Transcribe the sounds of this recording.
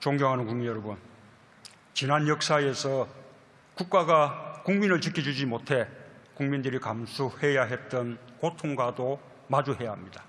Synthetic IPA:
t͡ɕoŋɡjʌŋɦanɯnkuŋminjʌɾʌbun | t͡ɕinanjʌk̚s͈aesʰʌ | kuk̚k͈aɡakuŋminɯɭt͡ɕikʰid͡ʑud͡ʑimotʰe̞kuŋmindɯɾikamsʰuhe̞jaɦe̞t̚t͈ʌnkotʰoŋɡwado | mad͡ʑuɦe̞jaɦamɲidḁ

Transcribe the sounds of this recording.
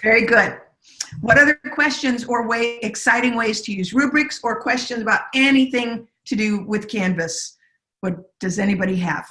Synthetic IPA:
v̥ɛɹiɡʊd̥̚ | wʌɾʌðə˞kʰw̥ɛst͡ʃɨ̃nzə˞weɪɨksaɪɾɪ̃ŋweɪz̥tʰɨjʉzɹʉbɹɪksə˞kʰw̥ɛst͡ʃɨ̃nzəbaʊɾɛniθɪ̃ŋ | tʰɨdɨwɪð̥kʰæ̃nvɨs | w̥ʌt̚d̥ʌzɛnibɑɾiɨ̰v̥

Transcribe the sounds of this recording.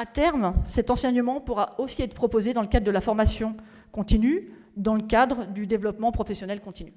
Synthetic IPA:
at̪ɛʁmsɛt̪ɑ̃sɛɲmɑ̃puʁaosiɛt̪χəpχɔpozed̪ɑ̃ləkad̪ʁəd̪əlafɔʁmasjɔ̃ | kɔ̃t̪iny | d̪ɑ̃ləkʲad̪ʁəd̪yd̪evlɔpmɑ̃pχɔfɛsjɔnɛlkɔ̃t̪iny

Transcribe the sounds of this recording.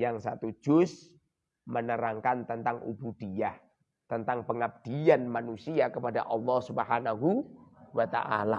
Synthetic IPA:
jaŋsat̪u̥d͡ʒ̥ʊs | mənəɾaŋkant̪ənt̪aŋṵbud̥iah | t̪ənt̪aŋpəŋab̚d̪̥ianmanusiakəpada̰ʔɑlːɔhsubəhanaɦuwat̪a̰ʔa̰la

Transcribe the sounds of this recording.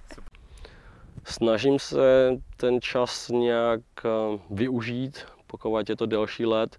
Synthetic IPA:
snaʒimsɛt̪ɛnt͡ʃasɲɛjakvɪuʒiːt̪poxovacjɛt̪odɛlʃiːlɛt̪

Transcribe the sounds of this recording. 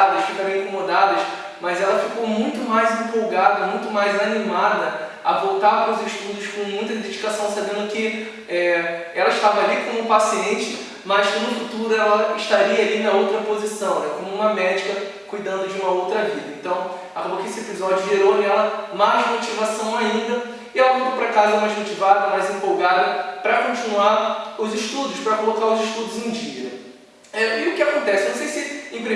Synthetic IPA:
d̪ɐʃfikaɾẽĩkõmod̪ad̪ɐʃ | mɐjzɛlɐfikomũj̃t̪ʊmajzĩmpowɡad̪ɐmũj̃t̪ʊmajzanimad̪ɐ | ɐ̰vowt̪aɾpɾʊzɪʃt̪ud̪ʊʃkõw̃mũj̃t̪ɐd̪ed͡ʒikasɐ̃w̃sabẽnd̪ʊkɪ | ɛɛlɐiʃt̪avɐalikõmʊpasiẽnt͡ʃɪ̥ | mɐʃkõd̪ʊfut̪uɾʊɛlɐɪʃt̪aɾiɐːlinɐowt̪ɾɐpozisɐ̃w̃nɛkõmʊũmɐmɛd͡ʒikɐkujd̪ɐ̃nd̪ʊd͡ʒɪũmɐowt̪ɾɐvid̪ɐẽt̪ɐ̃w̃ | akobokɪesɪepizɔd͡ʒjʊʒieɾonɛlɐmajzmot͡ʃivasɐ̃w̃aĩnd̪ɐ | ɪɛlɐmud̪opɾakazɛɐmajzmot͡ʃivad̪ɐmajzẽpowɡad̪ɐpɾɐkõt͡ʃinuaɾʊzɪʃt̪ud̪ʊʃpɾɐkolokaɾʊziʃt̪ud̪ʊzẽd͡ʒiɡinɐ | ɛɪʊkɪakõnt̪ɛsɪnɐ̃w̃sejsɪẽpɾi

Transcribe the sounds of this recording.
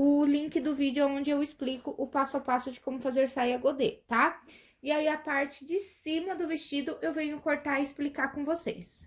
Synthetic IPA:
ʊlĩŋkɪd̪ʊvid͡ʒɪʊaõnd͡ʒɪewɪsplikʊʔʊpasʊawpasʊd͡ʒɪkõmʊfazeɾsaiɐɡod̪et̪a | iaiapaɾt͡ʃɪd͡ʒɪsĩmɐd̪ʊvest͡ʃid̪ʊʔewvẽɲʊkoɾt̪aiɪsplikakõvosḛs

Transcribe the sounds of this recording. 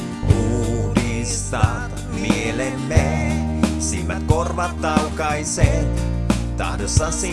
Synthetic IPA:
uɾist̪a | mielemːe | simːæ̰t̪̚korʋat̪ːawkajset̪t̪a̰dəsasi

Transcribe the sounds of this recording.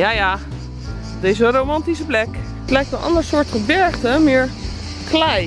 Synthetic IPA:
jaːjaː | dejzərowmɑntis̬əplɛk | ətlɛjk̚tənʔɑ̰ndəɹsʊːɹtχəbɛɹχtəmɪːɹ | klɛj

